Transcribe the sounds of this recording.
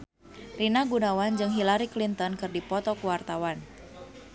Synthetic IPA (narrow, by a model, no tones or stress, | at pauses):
rinaɡunawand͡ʒɨŋɦilaɾiklint̪ɔnkɨrdipɔt̪ɔkuwart̪awan